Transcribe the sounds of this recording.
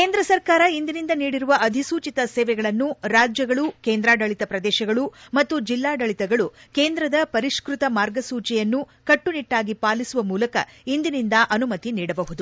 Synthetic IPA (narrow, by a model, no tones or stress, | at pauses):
keːnd̪ɾɐsɐɾkaːɾɐind̪inind̪ɐniːɽiɾuʋɐɐd̪ʱisuːt͡ʃit̪ɐseːʋɛɡɐɭɐnːuɾaːd͡ʒjɐɡɐɭukeːnd̪ɾaːɖɐɭit̪ɐpɾɐd̪ɛːʃɐɡɐɭumɐt̪ːud͡ʒilːaːɖɐɭit̪ɛɡɐɭukeːnd̪ɾɐd̪ɐpɐɾiʂkɾut̪ɐmaːɾɡɐsuːt͡ʃɛjɐnːu | kɐʈːuniʈːaːɡipaːlisuʋɐmuːlɐkɐ̰ind̪inind̪ɐʔɐnumɐt̪iniːɽɐbɐɦud̪u